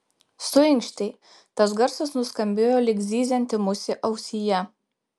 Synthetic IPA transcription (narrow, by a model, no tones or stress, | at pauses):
sʊɪŋkʃʲt̪ʲɛɪ | t̪ɐsɡɐɾsɐsnʊskɐmʲbʲeːjoːlʲɪɡzʲiːzʲɛnʲt̪ʲɪmʊsʲɪʔɐʊsʲijɛ